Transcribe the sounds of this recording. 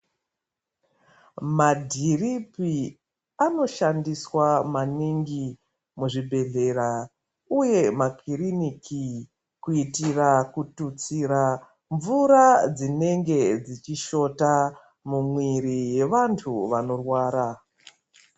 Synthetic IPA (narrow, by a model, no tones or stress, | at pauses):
madʱiripi | ano̞ʃandiswamaniŋɡi | muʐibʱe̞ɮe̞ra | uje̞makiriniki | kuitirakutut͡siɾa | ɱvuɾad͡zine̞ŋɡe̞d͡zit͡ʃiʃo̞ta | mumwiɾije̞ʋantʰuʋano̞rwaːɾa